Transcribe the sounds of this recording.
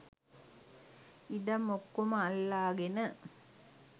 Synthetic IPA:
id̪ɐmːokːumɐɐlːaːɡenə

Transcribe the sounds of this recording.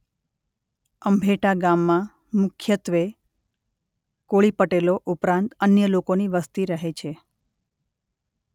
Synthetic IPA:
əmbʱeʈaɡamːã | mʊkʰjət̪ʋe | koɭipəʈeloʔupɾãnt̪ənjəlokoniʋəst̪iɾəɦet͡ʃʰe

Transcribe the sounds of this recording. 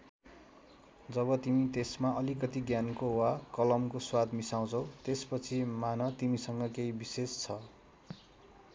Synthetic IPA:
d͡zʌβʌt̪imit̪esmaʔʌlikʌt̪iɡjankowakʌlʌmkoswad̪misaw̃t͡sʰʌ̃w̃t̪espʌt͡sʰimanʌt̪imisʌŋɡʌkejbisest͡sʰʌ

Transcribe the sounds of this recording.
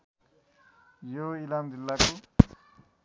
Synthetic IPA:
joilamdilːako

